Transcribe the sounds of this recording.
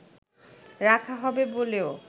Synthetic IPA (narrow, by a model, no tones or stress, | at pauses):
ɾakʰaɦɔbeboleo